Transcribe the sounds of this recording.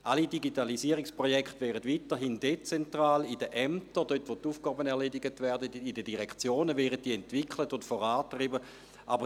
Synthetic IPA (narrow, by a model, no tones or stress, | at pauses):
ʔalidiɡitalisiəʁikspʁojɛkχtʋɛːʁətʋitəɦiːndet͡sɛntʁaːlidəʔɛmtədøtʋotuːfɡ̥aːbənɛʁlediɡətvɛɐdədidədiʁɛkt͡sjoːnəvɛːʁət̚diəɛntv̥ikʰlətʊntfɔʁaːtʁibə | ʔabə